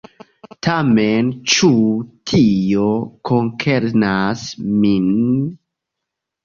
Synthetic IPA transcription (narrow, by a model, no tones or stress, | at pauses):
tʰament͡ʃutʰiokʰoŋkʰeɾnasmin